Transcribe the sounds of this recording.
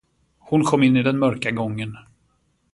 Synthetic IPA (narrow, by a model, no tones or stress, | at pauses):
hʊnkʰɔmːɪnːɪd̪ɛnmœɾkaɡɔŋːən